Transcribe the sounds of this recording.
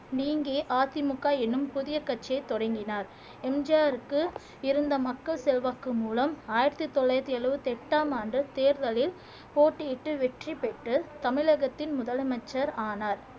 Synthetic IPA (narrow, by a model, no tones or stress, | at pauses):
niːŋɡeːʔaːt̪ɪmʊkːaːɛnːɯmpʊðɪjɐkːɐʈt͡ʃːɪjɐɪt̪ːɔɽɐŋɡɪnaːɾ | ɛmd͡ʒaːɾɯkːɯ | ɪɾɯnd̪ɐmɐkːɐɭsɛlʋaːkːɯmuːlɐmaːjɪɾt̪ɯt̪ːɔɭːɐjt̪ːɪɐɭɯʋɯt̪ɛʈːaːmaːnɖɯt̪eːɾðɐlɪl | poːʈːɪjɪʈːɯʋɛʈripɛʈːɯt̪ɐmɪlɐɣɐt̪ːɪnmʊðɐlɐmɐt͡ʃːɐɾaːnaːɾ